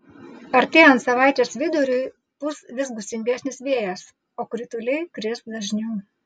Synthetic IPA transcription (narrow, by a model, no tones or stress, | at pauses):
ɐɾʲt̪ʲeːjɐnt̪sɐʋɑˑɪt͡ʃ̪ʲɛsʋʲɪd̪ʊɾʲʊj | pʊsʋʲɪzɡʊsʲɪnʲɡʲiːsʲnʲɪsʋʲeɛjɛs | oːkɾʲɪt̪ʊlʲɛɪkɾʲɪsd̪ɐʒʲnʲuʊ